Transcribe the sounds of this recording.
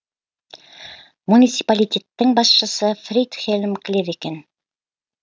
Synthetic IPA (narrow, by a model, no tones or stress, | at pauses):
munʲit̪si̥palʲitʲe̞t̪ːɘŋbɑsʃə̆sɤfrʲit̪χelʲmkɪ̆leɾeken